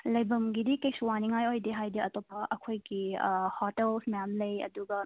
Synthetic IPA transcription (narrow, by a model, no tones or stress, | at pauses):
lɐjbɐmɡidikejsuwaniŋajojdeɦajdiɐtopɐʔɐkʰojɡihɔtelsmjamlɐjɐ̰duɡɐ